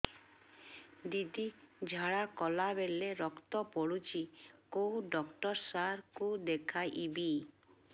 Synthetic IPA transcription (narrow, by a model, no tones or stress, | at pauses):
d̪id̪id͡ʒʱaɽakɔlabeleɾɔkt̪ɔpɔɽut͡ʃikoɖɔkʈɔɾsaɾkud̪ekʰajʔibi